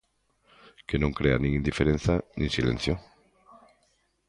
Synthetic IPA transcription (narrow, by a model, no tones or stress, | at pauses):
kenõŋkɾeanĩŋĩnd̪ifeɾen̟θanĩŋsilḛ̃n̟θjo